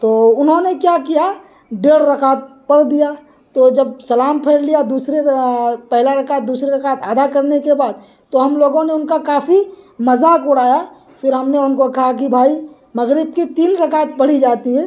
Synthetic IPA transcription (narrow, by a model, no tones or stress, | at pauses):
t̪oːʊnɦõnekjaːkija | ɖeːɽɾɐkaːt̪̚pɐɽd̪ija | t̪od͡ʒɐbsɐlaːmpʰɛːɾlijad̪uːsɾepɛɦlaɾɐkaːt̪̚d̪uːsɾeɾɐkaːt̪aːd̪akɐɾnekebaːd̪̚ | t̪oɦɐmloːɡõneʊnkakaːfʰimɐzaːkʊɽ̤aːja | fʰɪɾɦɐmneʊnkokɐɦak̬ibʱaːi | mɐɣɾɪb̚kit̪iːnɾɐkaːt̪̚pɐɽ̤id͡ʒaːt̪iɦɛː